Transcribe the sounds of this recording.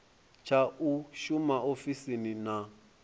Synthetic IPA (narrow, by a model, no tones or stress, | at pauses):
t͡ʃʰauʃumaʔofisinina